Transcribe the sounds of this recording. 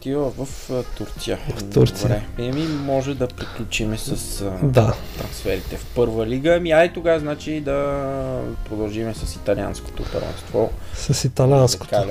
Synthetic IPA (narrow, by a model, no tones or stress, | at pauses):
t̪ilˠəvəft̪uɾt̪sijəvɐfdt̪uɾtosiɾɛɛmimɔʒɛd̪ɐpɾiklʲut͡ʃimɛsəsd̪at̪ɾɐnsfɛɾit̪ɛfpɤɾvəliɡəmiajt̪oɡaznat͡ʃiːd̪ɐ | pɾod̪ɐlˠʒimɛsɐsit̪ɐlia̰nsko̥t̪oːt̪o̰vɛ̰̃nst̪vɔsɐsit̪ɐlʲansko̥k̪al